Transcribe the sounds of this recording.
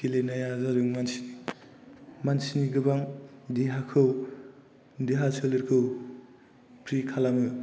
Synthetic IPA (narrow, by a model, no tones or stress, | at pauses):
kilenajazaɾɯŋmansini | mansiniɡɯbaŋdiɦakʰɯw | diɦasʰɯlɯɾkʰɯw | pʰɾikʰalamɯ